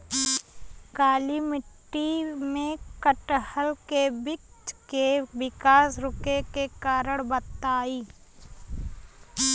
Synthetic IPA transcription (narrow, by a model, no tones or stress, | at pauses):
kaːlimɪʈːimẽkəʈhəlkebɪkt͡ʃkebɪkaːsɾʊkekekaːɾəɽ̃bət̪aːiː